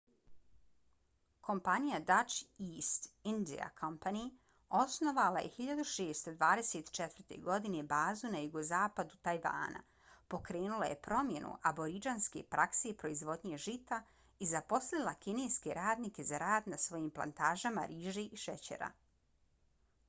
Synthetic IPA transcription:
ko̞mpanijad̪at͡ʃiːst̪ind̪ḭa̰kʰompani | o̞sno̞ʋalaje̞̰hiʎad̪uʃeːst̪o̞d̪ʋaːd̪e̞seːt̪t͡ʃet̪ʋr̩t̪e̞̰ɡo̞d̪ine̞baːzunajuɡo̞zaːpad̪ut̪ajʋa̰ːna̰ | po̞kɾe̞ːnulaje̞pɾo̞mje̞nṵʔabo̞ɾid͡ʒanske̞̰pɾʔakse̞pɾo̞izʋo̞d̪ɲe̞ʒit̪a | izapo̞slˠilˠakine̞ːjske̞ɾaːd̪nike̞zaɾaːd̪nasʋo̞jiːmplˠa̰nt̪aːʒama̰ɾiːʒeʔiʃet͡ɕḛɾa̰

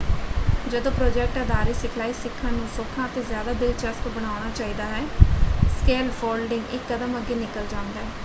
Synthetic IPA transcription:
d͡ʒəd̪õːpɾoːd͡ʒɛːk̚ʈəd̪aːɾeːsɪkʰlaːiːsɪkʰːãːnũːsoːkʰːãːt̪eːzjaːd̪aːd̪ɪlt͡ʃəst̪bəɽ̃aːʊɽ̃aːt͡ʃaːiːd̪aːɦɛːskeːlpʰoːlɖɪŋɡɪkːəd̪əməɡeːnɪkəld͡ʒãːnd̪aːɦɛː

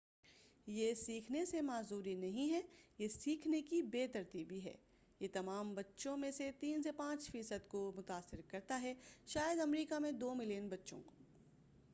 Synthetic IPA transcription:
jesiːkʰnesemaːzuːɾinɐɦĩɦɛjesiːkʰnekibeːt̪ɐɾt̪iːbiɦɛ̰ː | jet̪ɐmaːmbɐtːʃõmẽset̪iːnsepãːt͡ʃfiːsəd̪komʊt̪aːsːɪɾkɐɾt̪aɦɛʃaːjəd̪ɐmɾiːkamẽd̪oːmɪlijənbɐtːʃõ̰ko̥ː

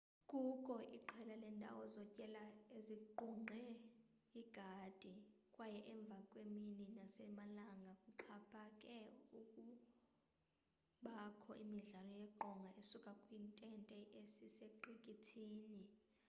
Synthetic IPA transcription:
kʼukʼɔʔiǃʰɛlalɛntʼa̰wɔzɔcʼɛlaeziǃuŋ͡ǃʱɛ | iɡ̥ʱad̥ʱikʼwajɛʔɛɱb̪vʱakʼwemininasɛmalaŋɡʱakʼuǃʰapʰʼakʼɛukʼu | ɓakʰɔʔimiɮalɔjɛǃɔŋɡʱaʔesukʼakʼwintʼɛntʼɛʔesiseǃikʼitʰiːni

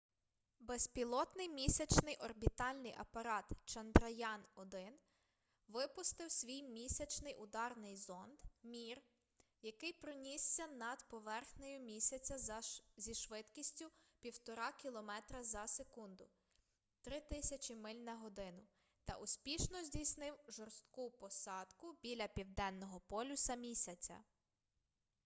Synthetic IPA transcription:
bɛspʲilˠɔt̪nɪjmʲisʲɐt͡ʃnɪjʔɔrbʲit̪ɑlʲnɪjʔɐpɐɾɑt̪t͡ʃɐnd̪ɾɐjɑnɔd̪ɪn | ʋɪpʊst̪ɪwsʲʋʲijmʲisʲɐt͡ʃnɪjʔʊd̪ɑrnɪjzɔnd̪mʲir | jɐkɪjpɾɔnʲisːʲɐnɐd̪pɔʋɛrxnejʊmʲisʲɐt͡sʲɐzʲiʃʋɪt̪kʲisʲtʲʊpʲiwt̪ɔɾɑkʲilˠɔmɛt̪ɾɐzɐsekund̪ʊ | t̪ɾɪt̪ɪsʲɐt͡ʃʲimɪlʲnɐɦɔd̪ɪnʊ | t̪ɐ̰ʔʊsʲpʲiʃnɔzʲdʲijsnɪwʒɔrst̪̚kupɔsɑd̪kʊbʲilʲɐpʲiwd̪ɛnːɔɦɔpɔlʲʊsɐmʲisʲɐt͡sʲɐ̰

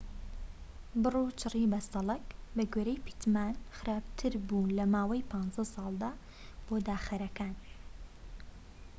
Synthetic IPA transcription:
bɨruːt͡ʃʰɨribɐsɑlˠɐkbɐɡeɾejpi̥t̪maːnxɨɾaːb̚t̪ʰɨɾbuːnlɐmaːwɐjpʰɑːnzɐsɑːlˠd̪a | b̥oːd̪aːxɐɾɐkaːn

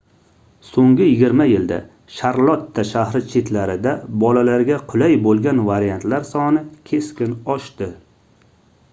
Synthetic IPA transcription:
soŋɡʲɪjɪɡʲɪɾmajɪld̪a̰ | ʃaɾlˠɒt̪ːaʃahɾɪt͡ʃʰet̪laɾɪd̪abɒlalaɾɡʲaqʰʊlajbolˠɡʲanvaɾijant̪laɾsɒnɪkʲʰe̞skʲɪnɒʃt̪ɪ

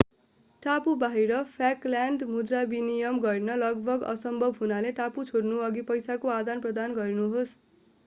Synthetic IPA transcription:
ʈapubaɦiɾʌpʰaklaɳɖmud̪rabinijʌmɡʌɾinʌlʌɡbʱʌɡʌ̰sʌmbʱʌbʱɦunaleʈaput͡sʰoɽnuʌɡipʌjsakoad̪anprʌd̪anɡʌɾinuɦos

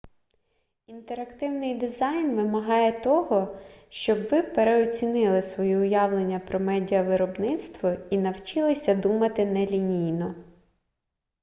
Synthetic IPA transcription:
int̪eɾɐkt̪ɪwnɪjd̪ɪzɑjnʋɪmɐɦɑjɛt̪ɔɦɔʃt͡ʃɔbʋɪpeɾeɔt͡sʲinɪlˠɪsʋɔjiʊjɑwlˠenʲːɐpɾɔmɛdʲiɐʋɪɾɔbnɪt̪st̪ʋɔinɐwt͡ʃɪlˠɪsʲɐd̪umɐt̪ɪnɛlʲinʲijnɔ

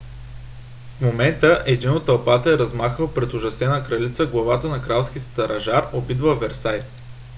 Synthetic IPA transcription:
fmomɛnt̪əʔɛd̪inot̪ːɐlˠpat̪əɛɾɐzmaxəlˠpɾɛt̪oʒɐsɛnəkɾɐlit̪səɡlˠɐvat̪ənɐkɾalˠsk̟ʲist̪ɐɾɐʒaɾobid̪vəvɛɾsaj

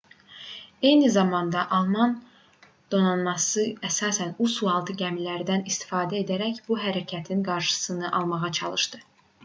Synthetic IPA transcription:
e̞jnizɑmɑnd̪ɑʔɑlˠmɑn | d̪̥onɑnmɑsɯæsɑːsænusulˠɑlˠt̪ʰɯɟæmilæɾd̪ænist̪i̥fɑːd̪æed̪æɾæçbuɦæɾæcʰæt̪ʰinɡɑɾʃɯ̥sɯnɯʔɑlˠmɑʁɑt͡ʃʰɑ̰lˠɯʃd̪ɯ

